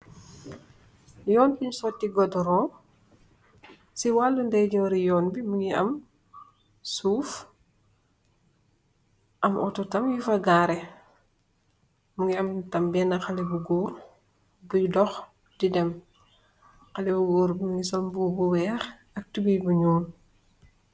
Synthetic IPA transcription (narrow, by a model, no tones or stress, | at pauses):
jɔːnbiɲsɔtːiɡɔdɾɔː | siwalːundɛjd͡ʒuŋɾijɔːnbimuŋɡiɐ̰m | suːf | ʔɐmʔɔ̰tɔtɐmjufɐɡaːɾɛ | muŋɡiɐmtɐmbɛːnɐxɐlɛbuɡɔːɾ | bujdɔx | didɛm | xɐlɛbuɡoːɾbuŋuɡisɔlbuːbuwɛːx | ɐk̚tubijbuɲuːn